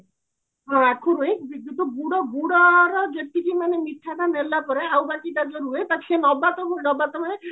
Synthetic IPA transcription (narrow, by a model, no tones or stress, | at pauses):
ɦɔ̃akʰuɾuɦĩkbid̪it̪ubuɽɔbuɽɔɾɔd͡ʒet̪ikimanemiʈʰad̪anelapɔɾeawbakit̪ad͡ʒɔɾuɦet̪akʰenɔbat̪ɔkunɔbat̪ɔmane